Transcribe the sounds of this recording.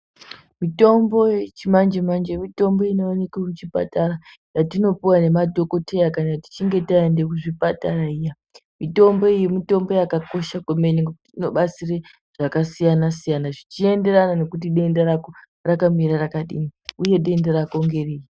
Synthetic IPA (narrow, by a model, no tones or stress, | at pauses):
mito̞mbo̞jet͡ʃimand͡ʒemand͡ʒemito̞mbo̞inoːnekwakut͡ʃipa̰tara | jatino̞piwane̞madʱo̞ko̞tʰe̞jakanati̥t͡ʃiŋɡe̞taende̞kuʐipataraija | mito̞mbo̞ijimito̞mbo̞jakako̞ʃakome̞ɲiŋɡokutiino̞ɓat͡sire | ʐ̥akasijanasijanaʐit͡ʃie̞nde̞ɾanane̞kut̬iɗe̞ndaɾako̞ | rakamiɾarakaɗḭmiuje̞ɗe̞ndaɾako̞ŋɡeriji